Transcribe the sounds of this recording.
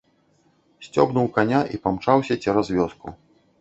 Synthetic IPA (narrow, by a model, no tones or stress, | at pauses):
sʲt͡sʲɔ̰bnuwkanʲaʔipamt͡ʂawsʲɐt͡sʲɛɾazvʲɔskṵ